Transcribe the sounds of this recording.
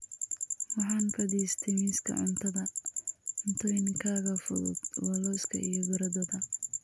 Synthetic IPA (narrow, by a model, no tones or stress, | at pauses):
wɑħɑːŋfɐðiːst̪ʰɛjmiːskʰɐ̰ʕʊ̰nt̪ʰɐðɐʕʊnt̪ʰɔɪnkʰaːɣɐfʊ̰ðʊ̰d̪wɐlɔːskʰɐ̰ijɔɡʊɾɐd̪ɐðɐ